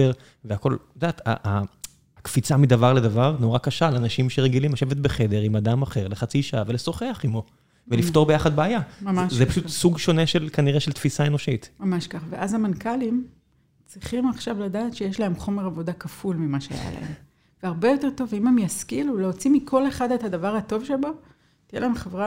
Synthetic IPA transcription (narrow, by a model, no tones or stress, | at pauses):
eʁ | veako̞lud̪aːt̪a̰ʔa | kfit͡samid̪avaʁled̪avaʁnoʁakaʃaːlanaʃimʃeʁeɡilimhaʃevet̪̚beχe̞d̪e̞ʁimad̪amaχe̞ʁleχat͡siʃaaveleso̞χeaχimo̞ | velift̪o̞ʁbejaχad̪̚beajamamaʃzepaʃut̪suɡʃo̞neʃelkaniʁeʃelt̪fisae̞no̞ʃit̪mamaʃkaχveʔazamankalim | t͡sʁiχimaχʃavladaːt̪ʃejeʃlae̞mχo̞me̞ʁavo̞dakafulmimaʃea̰ja̰la̰em | veaʁbe̞jo̞te̞ʁt̪o̞vimemjaskiluleot͡simikʰo̞le̞χad̪ethadavaʁhato̞vʃebo̞ | t̪ijelaemχevʁa